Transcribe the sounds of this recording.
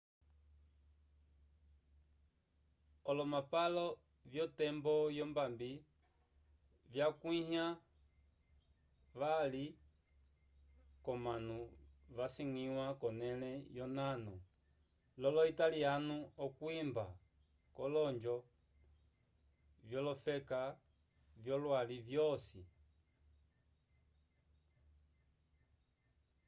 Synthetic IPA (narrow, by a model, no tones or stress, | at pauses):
ɔlɔmapalɔ | vjɔtɛmbɔjɔmbambi | vjakwiha | ʋali | kɔmanuʋasiŋiwakɔnɛlɛjɔnanu | lɔlɔitalianuɔkwimba | kɔlɔɲd͡ʒɔ | vjɔlɔfɛka | vjɔlwalivjɔsi